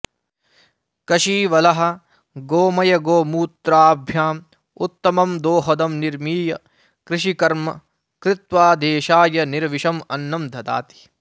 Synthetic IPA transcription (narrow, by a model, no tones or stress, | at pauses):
kɐʃiːʋɐlɐɦɐ̆ | ɡoːmɐjɐɡoːmuːt̪ɾaːbʱjaːm | ut̪ːɐmɐmd̪oːɦɐd̪ɐmniɾmiːjɐ | kɾɪʃikɐɾmɐ | kɾɪt̪ʋaːd̪eːʃaːjɐniɾʋiʃɐmɐnːɐmd̪ʱɐd̪a̰ːt̪i̥